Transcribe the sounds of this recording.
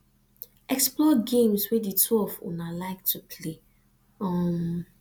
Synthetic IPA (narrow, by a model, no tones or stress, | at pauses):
ɛksplɔɡẽmswɛditʰwɛlvṵnalaɪk̚tʰupʰle | ɔm